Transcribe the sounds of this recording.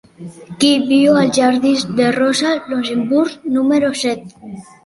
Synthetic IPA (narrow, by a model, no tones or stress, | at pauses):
kibjoalʒaɾðizd̪erosalons̬embuɾɣnumeɾosɛt̪